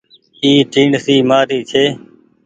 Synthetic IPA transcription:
iːʈĩːɳɖsiːmaːɾiːt͡ʃʰeː

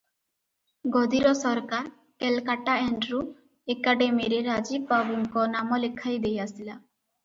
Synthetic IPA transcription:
ɡɔd̪iɾɔsɔɾkaɾ | ʈelkaʈaɛɳɖɾu | ekaɖemiɾeɾad͡ʒibbabuŋkɔnamɔlekʰːajd̪ejasila

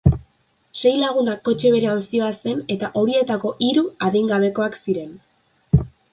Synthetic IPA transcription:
se̞jlaɣ̞unakːo̞t͡ʃe̞β̞e̞ɾe̞ansio̞ase̞ne̞t̪aʔo̞ɾie̞t̪ako̞ʔiɾuaðiŋɡaβ̞e̞ko̞aksiɾe̞n

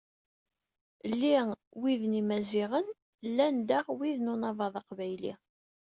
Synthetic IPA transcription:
lːiwiðnimæzɪʁən | lːænd̪aʁwiðnunɑvˤɑðˤɑqvæjlḭ

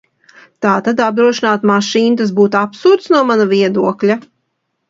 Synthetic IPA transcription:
t̪aːt̪ad̪ab̚d̪ɾuɔʃinaːt̪maʃiːnt̪as̬buːt̪apsuːɾt̪snuɔmanaviɛd̪uɔklʲa

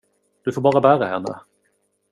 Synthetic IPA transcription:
d̪̥ɵfoːɾbɑːɾabæːɾahɛnːə̰

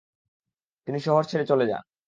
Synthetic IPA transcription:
t̪iniʃɔɦoɾt͡ɕʰeɾet͡ɕoled͡ʑa̰

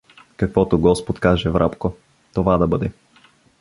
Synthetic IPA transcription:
kɐkvɔt̪oɡɔspot̪kaʒɛvɾʔapko | t̪ovad̪ɐbɤd̪ɛ

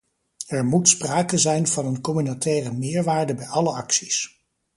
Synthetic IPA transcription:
ɛɹmutspraːkəzɛjnvɑnənkɔmynatɛːrəmɪːɹʋaːɹdəbɛjɑləɑksis

